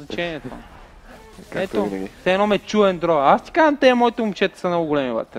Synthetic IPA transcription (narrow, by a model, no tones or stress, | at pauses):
znɐt͡ʃɛniɛt̪o̰ | ɛt̪osɛɛnɔmɛt͡ʃuvɛnd̪ɾɔast̪i̥kaʒɐmt̪ɛmɔit̪oumʃɛt̪ɛ̥sɐmnɔɡʊɡolɛmiva̰t̪ɾ